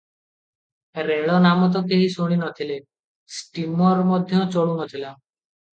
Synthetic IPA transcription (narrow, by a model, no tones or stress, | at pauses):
ɾeɭɔnamɔt̪̬ɔkeɦisuɽ̃inɔt̪ʰile | sʈimɔɾɔmɔd̪ʱjɔ̃t͡ʃɔɭuɦɔt̪ʰila